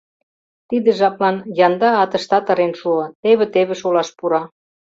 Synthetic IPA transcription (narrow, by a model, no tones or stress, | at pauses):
t̪id̪ə̆ʒɑplɑnjɑnd̪ɑɑt̪ɤ̆ʃt̪ɑt̪ɤ̆ɾenʃuɤ̆t̪eβĕt̪eβĕʃolɑʃpuɾɑ